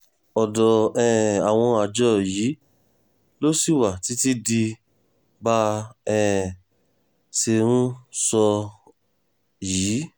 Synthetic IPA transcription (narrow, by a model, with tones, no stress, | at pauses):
ɔ˨dɔ˨ɛ˧˨a˨w̃ɔ̃˧a˨d͡ʒɔ˧˦jiː˨˦ | lo˦si˦˨wa˨ti˨˦ti˦di˧ | ba˧˦ɛ˦˨ | se˧ɾ̃ũ˦sɔ˧ | jiː˨˦